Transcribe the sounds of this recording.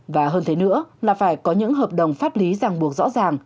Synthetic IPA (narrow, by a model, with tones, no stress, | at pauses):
vaː˨˩ɦəː˧nt̪ʰe˨˦nɨ̰˧˥əlaː˨˩faː˧˩jkɔ˨˦ɲɨ̰˧˥ŋɦəː˨˩p̚ɗə˨˩wŋ͡mfaː˦˥p̚li˨˦zaː˨˩ŋɓu˨˩ək̚zɔ̰˧˥zaː˨˩ŋ